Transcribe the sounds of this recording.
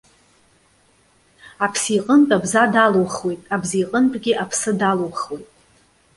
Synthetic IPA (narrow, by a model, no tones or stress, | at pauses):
apʰsiqʼəntʼabzadalowχwe̞jtʼabzijqʼəntʼɡʲiʔapʰsɨdalowχwe̞jtʼ